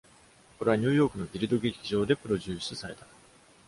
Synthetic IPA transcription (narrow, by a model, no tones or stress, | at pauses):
ko̞ɾe̞βaɲ̟ɨ̟ːjo̞ːkɯ̟no̞d̪ʲiɾid̪o̞ɡekʲiʑo̞ːd̪e̞pɯ̟ɾo̞ʑɨːsɨsaɾe̞t̪a